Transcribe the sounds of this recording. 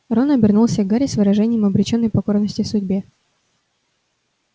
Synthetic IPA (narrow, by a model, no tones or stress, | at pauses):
ɾonɐbʲɪrnulˠsʲəvɡaɾʲɪsvɨɾɐʐɛnʲɪjəmɐbɾʲɪt͡ɕnːəjpɐko̞rnəsʲtʲɪsʊdʲbʲe